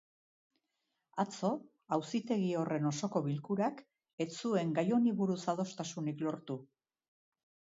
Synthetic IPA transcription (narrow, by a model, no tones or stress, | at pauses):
at͡so̞ | awsit̪e̞ɣio̞re̞no̞so̞ko̞βilkuɾak | e̞t͡sue̞ŋɡajo̞niβuɾusað̞o̞st̪asuniklo̞ɾt̪u